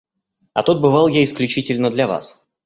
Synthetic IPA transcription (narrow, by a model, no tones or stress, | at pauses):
ɐt̪ut̪̚bɨvalˠjaɪsklʲʉt͡ɕitʲɪlʲnəd̪lʲɐva̰s